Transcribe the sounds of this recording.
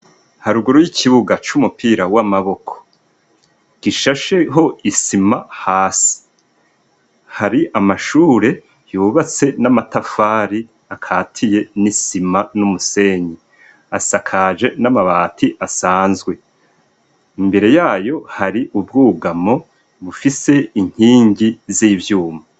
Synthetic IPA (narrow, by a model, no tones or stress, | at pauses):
haɾuɡuɾojicʰiβuɡat͡ʃumupiːɾawamaβo̞kʰo̥ | ɡ̥iʃaʃe̞ɦo̞isimahaːsi̥ | haɾiʔamaʃuːɾe̞ | juːβat͡se̞namatafaːɾi | akʰaːtʰije̞nisimanumuse̞ːɲi | asakʰad͡ʒe̞namaβatʰiʔasaːnzɡwe̞ | imbe̞ɾe̞jaːjo̞haɾiʔub̚ɡuːɡamo̞ | βufise̞iɲ̥hiːɲɟiziːvjuːma